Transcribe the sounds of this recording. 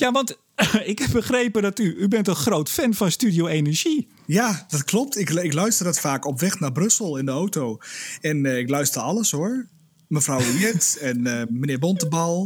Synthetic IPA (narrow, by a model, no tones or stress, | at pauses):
jaʋɑnt | ɪkhɛp̚bəχrejpədɔtyybɛntəxrowtfɛnfɔnstydjowenəɹʒi | jad̥ɔtklɔp̚tɪkɪklœɥstərdɔtfaːkɔpʋɛxnabrɵsəl̩ˠɪndəowtowɛnɪklœɥstərɑləshoəɹ | məfrawinjɛtɛnmənɪːɹbɔntəbɑlˠ